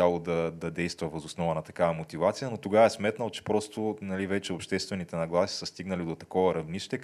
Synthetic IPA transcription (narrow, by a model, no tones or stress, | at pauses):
alˠod̪ɐd̪ɐd̪ɛjst̪vɐvɐzosnɔvɐnɐt̪ɐkavɐmot̪ivat̪sijənot̪oɡavɐɛsmɛt̪nɐlˠt͡ʃɛ̥pɾɔst̪onɐlivɛt͡ʃɛopʃt̪ɛst̪vɛnit̪ɛnɐɡlˠasi̥səst̪iɡnɐlid̪ot̪ɐkɔvɐɾɐvniʃt̪ɛ